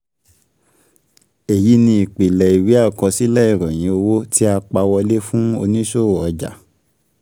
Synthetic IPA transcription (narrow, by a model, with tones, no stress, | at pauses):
e˨ji˨˦nĩ˧i˨k͡pe˨lɛ˨i˨wi˨˦a˦˨kɔ˧si˦lɛ˦i˦˨ɾɔ̃˨j̃ĩ˨˦o˧wo˦ti˦a˧k͡pa˧wɔ˧le˦fũ˦o̰˧nĩ˦ʃo˦˨ɔ˨˧d͡ʒa̰˨